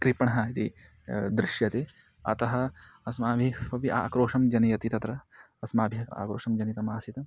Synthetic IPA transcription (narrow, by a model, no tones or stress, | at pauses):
kɾipɐɳɐɦɐit̪i | d̪ɾɪʃjɐt̪eː | ɐ̰t̪ɐɦɐ | ɐsmaːbʱifɐʋiʔa̰ːkɾoːʂɐmd͡ʒɐnijɐt̪it̪ɐt̪ɾɐ | ɐsmaːbʱia̰ːkɾoːʂɐmd͡ʒɐnit̪ɐmaːsit̪ɐ